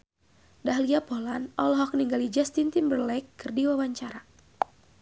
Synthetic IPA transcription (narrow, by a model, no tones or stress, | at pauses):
daɦliapɔlanɔlɦɔk̚niŋɡalid͡ʒast̪int̪inbərlɛkːɨrdiwawaɲt͡ʃaɾa